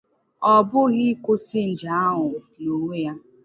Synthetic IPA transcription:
ɔ˨bʊ˦ɣɪ˦kʷʊ˦sɪ˦n̩˨d͡ʒa˨˦a˦ɦʊ˨ | no˨ŋʷe˦ja˦

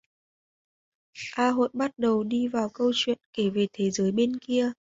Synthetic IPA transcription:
ʔaː˧ɦo̰˧˨jɓa˦˥t̚ɗə˨˩wɗi˧vaː˨˩wkə˧wt͡ɕwḭ˧˨ənke˧˩ve˨˩t̪ʰe˨˦zəː˨˦jɓe˧nki˧ə

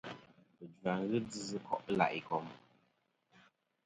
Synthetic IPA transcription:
pɨ˨dwa˨ŋ̩˦ɣɨ˦d͡zɨ˦zɨ˦kɔ̰˦˨ʔə˦la̰˨ʔi˨kɔ˨m

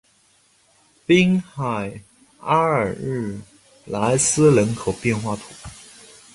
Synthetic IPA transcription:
pi˥ŋxa˨˩ɪ | a˥ə˨˩ɻɻ̩˥˩ | la˧˥ɪsɹ̩˥lə˧˥nkʰo˨˩ʊpjɛ˥˧nxwa˥˩t̪ʰu˨˩˦

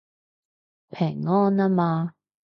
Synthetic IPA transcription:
pʰɛ˨˩ŋːɔː˥˨na˦˥maː˧

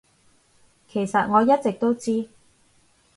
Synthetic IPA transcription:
kʰe˨˩jsɐ˨t̚ŋɔː˨˧jɐ˥t̚t͡sɪ˨k̚t̪o˥wt͡siː˥

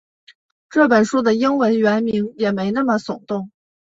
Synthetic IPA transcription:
ʈ͡ʂɤ˥˩p̬ə˨˩nʂu˥d̪ə˨i˥ŋwə˧˥nɥɛ˧˥nmi˧˥ŋjɛ˨˩me˧˥ɪna˥˩mə˩sʊ˨˩ŋt̪ʊ˥˩ŋ

